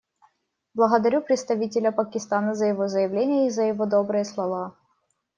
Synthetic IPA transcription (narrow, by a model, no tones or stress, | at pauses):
blˠəɣəd̪ɐɾʲupɾʲɪt̪st̪ɐvʲitʲɪlʲəpəkʲɪst̪anəzəjɪvo̞zəjɪvlʲenʲɪjəizəjɪvod̪o̞bɾɨjəslˠɐva